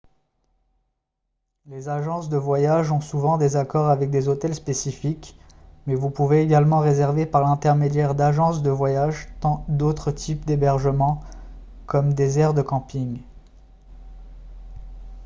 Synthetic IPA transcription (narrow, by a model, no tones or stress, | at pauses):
lezaʒɑ̃sd̪əvwajaʒɔ̃suvɑ̃d̪ezakɔʁavɛk̚d̪ezot̪ɛlspesifik | mɛvupuveːɡalmɑ̃ʁezɛʁvepaʁlɛ̃t̪ɛʁmed̪jɛʁd̪aʒɑ̃sd̪əvwajaʒt̪ɑ̃d̪ot̪χət̪ʰipd̪ebɛʁʒəmɑ̃ | kɔmd̪ezɛʁd̪əkɑ̃piŋ